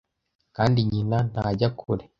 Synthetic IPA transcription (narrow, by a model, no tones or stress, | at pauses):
kaːndiɲinan̥haːɟakʰuɾe